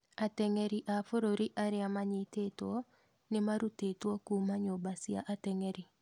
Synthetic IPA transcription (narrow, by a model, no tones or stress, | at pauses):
atɛŋeɾiʔafoɾoɾiʔaɾeamaɲɪtetwɔ | nɪmaɾutetwɔkumaɲobasja̰ʔatɛŋɛɾi